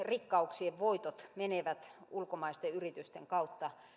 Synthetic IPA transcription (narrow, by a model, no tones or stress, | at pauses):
rikːɑuksieʋʋoit̪ot̪meneʋæt̪ulkomɑist̪eyrit̪yst̪eŋkɑut̪ːɑ